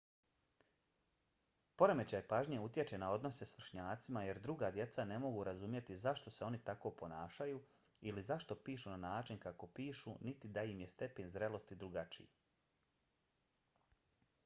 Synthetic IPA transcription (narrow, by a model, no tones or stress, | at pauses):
po̞ɾe̞me̞t͡ɕajpaʒɲeut̪je̞t͡ʃe̞nao̞d̪no̞se̞sʋr̩ʃɲaːt̪simaje̞ɾd̪ɾuɡaːd̪je̞t̪sane̞mo̞ɡuɾazumje̞t̪izaʃt̪o̞seo̞nit̪ako̞ːpo̞naːʃajuː | ilizaʃt̪o̞piːʃunanaːt͡ʃinkako̞piːʃunit̪id̪aimje̞st̪e̞penzɾe̞lˠo̞st̪id̪ɾuɡat͡ʃḭji